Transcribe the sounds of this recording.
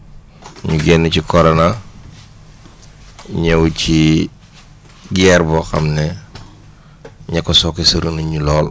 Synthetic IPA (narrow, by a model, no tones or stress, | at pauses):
ɲuɡɛnːucikɔɾɔna | ɲɐwci | ɡɛːrbɔxɐ̰mnɛ | ɲɐkːɔsɔkːɛsɐɾunuɲulɔːl